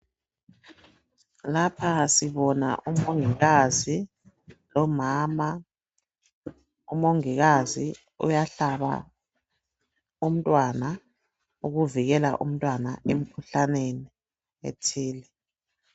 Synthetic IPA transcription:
lapʰasiβɔna̰ʔumoŋiɣazi | lɔmaːma | umoŋiɣazi | ṵjaɬaβa̰ | um̩tʼwana | uɣuviɣɛla̰ʔṵm̩tʼwanaʔem̩kʰuɬaneni | ḛtʰiːlɛ

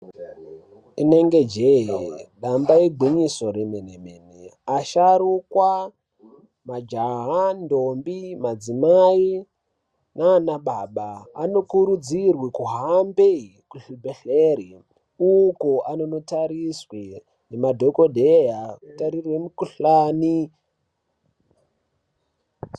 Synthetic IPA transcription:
ine̞ŋɡe̞d͡ʒeɦeɗambaiɡʱwiɲiso̞ɾenenemeːneaʃaɾukwa | mad͡ʒaɦandombimad͡zimai | naːnaɓaɓa̰ːno̞kuɾud͡zirwikuɦambe | kuɬibʱeɬeri | ukoano̞no̞taɾiswi | nemadʱo̞ko̞dʱejakutaɾirwemukuɬani

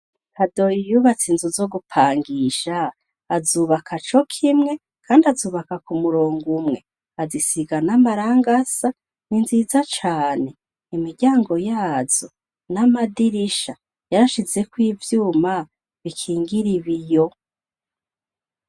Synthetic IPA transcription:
kʰadojijuβat͡sinzuzo̞ɡupʰaːŋɡiʃaː | zuːβakʰat͡ʃo̞kʰimŋe̞ | kʰaːndiazuːβakakumuɾoːŋɡumŋe̞ | azisiɡanamaɾaːŋɡasa | ninzizat͡ʃaːne̞ | imiɾɟaːŋɡo̞jaːzo̞ | namadiɾiʃa | jaɾaʃize̞kwiːvjuːma | βikʰiːŋɡiɾiβijo

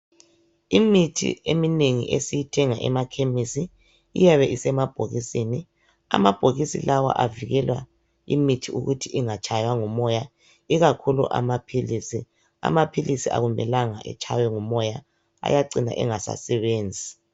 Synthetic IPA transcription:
imitʰḭemineŋḭʔesijitʰɛŋaʔɛmakʰemisḭː | jaβɛʔisɛmab̥ʱoɣisini | a̰mab̥ʱoɣisḭlawa̰ʔaviɣɛlwa | ḭmitʰiuɣutʰiʔiŋat͡ʃʼʰajwaŋumɔja | iɣakʰulṵʔa̰mapʰilisi | a̰mapʰilisiʔa̰ɣumɛlaŋaʔɛ̰t͡ʃʰʼajwɛŋumɔja | a̰jaǀina̰ʔɛŋasa̰sɛβeːnd͡zʱi

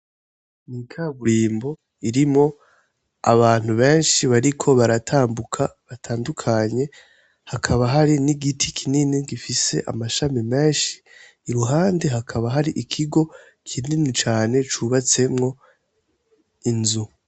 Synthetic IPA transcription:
nikʰaβuɾiːmbo̞ | iɾimŋo̞ | a̰βaːn̥huβe̞ːnʃiβaɾikʰo̞βaɾatʰaːmbukʰaβatʰaːndukʰaɲe̞ | hakʰaβaɦaɾiniɡitʰikʰininiɡifise̞ʔa̰maʃamime̞ːnʃi̥ː | ɾuɦaːnde̞ɦakʰaβaɦaɾiʔikʰiɡo̞ | kʰininit͡ʃaːne̞t͡ʃuβat͡se̞mŋo̞ | inzu

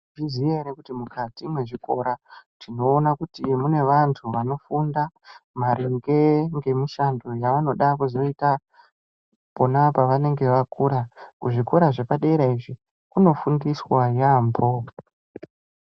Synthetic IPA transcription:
izijeɾekutimukatimwe̞ʐiko̞ɾatino̞ːnakutimune̞ʋantʰuʋano̞fundamaɾeŋɡe̞ŋɡe̞miʃando̞jaʋano̞ɗakuzo̞ita | po̞napaʋane̞ŋɡe̞ʋakuɾakuʐiko̞ɾaʐe̞paɗeɾaiʐi | kuno̞fundiswajaːmbo

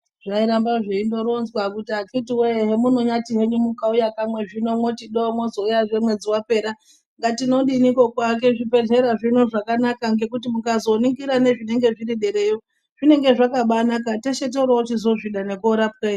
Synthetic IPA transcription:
ʐ̥aiɾambaʐeindo̞ɾonzwakutiakitiweɦemuno̞ɲatiɦe̞ɲumukaujakamwe̞ʐino̞mo̞tiɗomwozo̞ujaʐe̞mwe̞d͡ziwape̞ːɾa | ŋɡatino̞ɗinikokwak̬e̞ʐipe̞ɮe̞ɾaʐino̞ʐakanakaŋɡe̞kutimukazo̞niŋɡiɾane̞ʐine̞ŋɡe̞ʐiɾiɗe̞ɾe̞jo | ʐ̥ine̞ŋɡe̞ʐakaɓanakateʃet̬auɾaut͡ʃizo̞ʐiɗane̞koɾapken

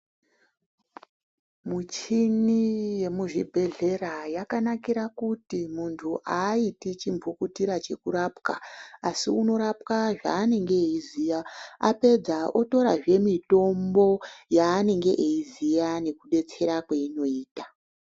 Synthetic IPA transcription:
mut͡ʃinije̞muʐibʱe̞ɮe̞rajakanakiɾakutimuntʰuʔaitit͡ʃimvukutiɾat͡ʃe̞kuɾapkaasiuno̞ɾap̚kaʐa̰ːne̞ŋɡe̞eiziːjaape̞d͡zao̞to̞ɾaʐe̞mito̞mbo̞jaːne̞ŋɡe̞ʔeizijane̞kuɗe̞t͡se̞ɾakweino̞iːta

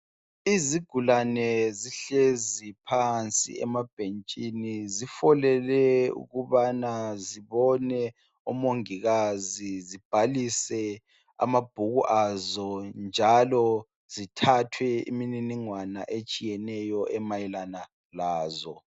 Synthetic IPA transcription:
iziɡ̥ʱulanɛziɬezipʰant͡sʼḭɛ̰mab̥ʱent͡ʃʼinizifɔlɛlɛṵɣuβanaziβɔnɛ | umoŋiɣazizib̥ʱalisɛ | a̰mab̥ʱuɣuʔazɔnd͡ʒʱalɔ | z̥itʰatʰwɛḭmininiŋwana̰ʔet͡ʃʼijɛnɛjɔʔɛmajilana | laːzɔ

